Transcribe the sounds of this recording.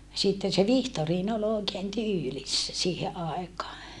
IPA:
sitːen se ʋihtoriːn ol oˑekeːn tyːlisːæ siːhe ʔɑˑekɑː

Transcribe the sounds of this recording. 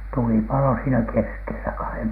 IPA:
tuli pɑlo siːnæ keskelæ kɑhem

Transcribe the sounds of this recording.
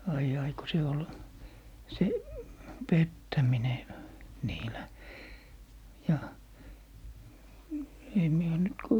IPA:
ɑij ɑi ko se ol se petːæmine niːlæ jɑ sem mie oː nyt ko

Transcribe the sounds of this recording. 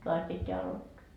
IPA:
toɑs pitːeæ ɑlotːoɑ

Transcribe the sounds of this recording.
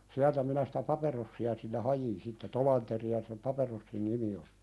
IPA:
siæltæ minæ si̥tæ pɑperosːiɑ silːe hɑjin sitːe tolɑnteriɑ sem pɑperosːin nimi ol̥i̥

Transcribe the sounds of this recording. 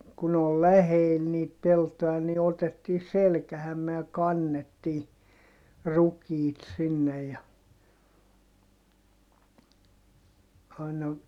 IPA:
kun ol læheːl niːt peltoj̆ɑ ni otetːiː selkæhæmːe jɑ kɑnːetːiː rukiːt sinːej jɑ ɑinɑ

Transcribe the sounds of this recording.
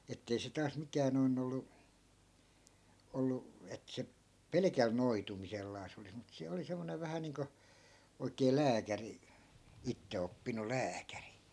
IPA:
etːei se tɑːs mikæːn̆ noin olːu olːu et se pelekæl noitumiselːɑːs olis mut se oli semːoneʋ ʋæhæ niːŋko oikˑeː læːkæri itːeopːinul̆ læːkæri

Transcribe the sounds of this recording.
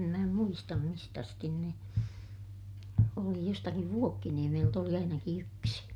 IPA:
mæ muistɑm mist ɑstin ne oli jostɑkiʋ ʋuokːiniemelt oli ɑinɑki yksi

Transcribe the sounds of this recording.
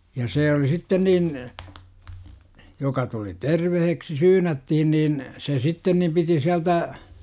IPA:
jɑ seː oli sitːen niːn jokɑ tuli terʋeheksi syːnætːihin niːn se sitːen nim piti siæltæ

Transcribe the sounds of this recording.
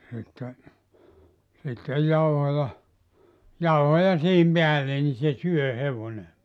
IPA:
sitːe sitːej jɑuhojɑ jɑuhojɑ siːhim peælːe ni se syø heʋone

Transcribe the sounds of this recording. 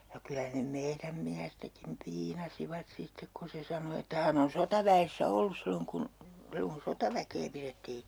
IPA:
jɑ kylæ ne meiræm miæstækim piːnɑsiʋɑt sitːek ku se sɑno etːæ hæn on sotɑʋæesːæ olːus silːoŋ kun silːoŋ kun sotɑʋækeː piretːiː

